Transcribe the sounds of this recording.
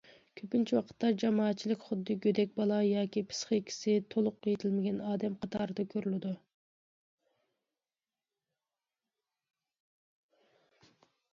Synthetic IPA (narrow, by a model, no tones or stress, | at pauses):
kʲʰøpnt͡ʃʰiwɑqʰə̥t̪ːɑd͡ʒɑmɑːt̪̚t͡ʃʰilɪkʲχʊd̪ːɨɡʲød̪ɛk̚ʲbɑlˠɑjɑːkʲipʰɨ̥sχekʲʰi̥sɪt̪ʰolˠʊqːjet̪ʰɪlmɪɡʲɛnɑːd̪ɛmqʰɑt̪ʰɑːɾɨd̪ɑkʲʰøɾylɪd̪u